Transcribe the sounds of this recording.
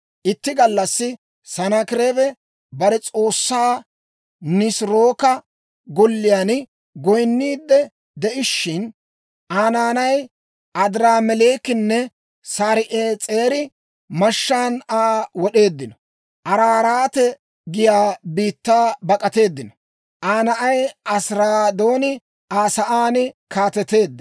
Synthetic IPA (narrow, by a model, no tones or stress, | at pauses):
ʔɪt̪ːɪɡɐlːɐsːɪ | sɐnɐkɪɾebɛ | bɐɾɛt͡sʼo̞ːsːaː | nɪsɾoːkɐ | ɡɔlːɪjan | ɡɔjnːiːd̪ːɛ | d̪ɛʔɪʃːɪn | ʔaːnaːnɐj | ɐd̪ɪɾaːmɛleːkɪnːɛ | saːɾɪʔeːt͡sʼe̞ːɾɪ | mɐʃːaːnaːwɔɗe̞ːd̪ːɪnɔ | ʔɐɾaːɾaːt̪ɛ | ɡɪjaːbiːt̪ːaːbɐkʼɐt̪e̞ːd̪ːɪnɔ | ʔaːnɐʔɐjɐsɾaːd̪o̞ːnɪ | ʔaːsɐʔaːnɪkaːt̪ɛt̪e̞ːd̪ːɐ